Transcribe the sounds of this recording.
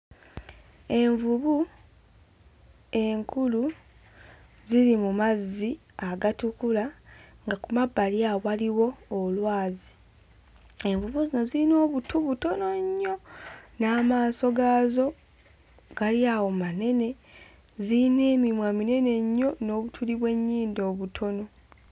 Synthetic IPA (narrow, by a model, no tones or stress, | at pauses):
e̞ɱvuβu | e̞ŋkʰulu | ziɾimumazːi | aɡatukulaŋɡakumabːaljawaliwo̞ːlwaːzi | e̞mbuβuzino̞zilino̞ːβutʰuβuto̞no̞ɲːo̞naːmaːso̞ɡaːzo̞ | ɡ̥aljawo̞mane̞ne̞ | zine̞ːmimwamine̞ne̞ɲːo̞no̞ːβutʰuliβwe̞ɲːiːndo̞ːβutʰo̞no̞